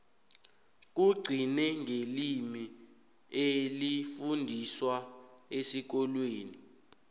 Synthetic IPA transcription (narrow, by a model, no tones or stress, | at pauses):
k̬uɡ͡ǀʱinɛŋʱelimi | elifundʱiswaesik̬ɔlweːni